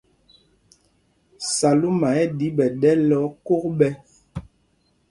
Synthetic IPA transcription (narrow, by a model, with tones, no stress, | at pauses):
sa˨lu˦ma˨ɛ˦di˨˦bɛ˨dɛ˦lɔ˨˦ko˦k̚bɛ˦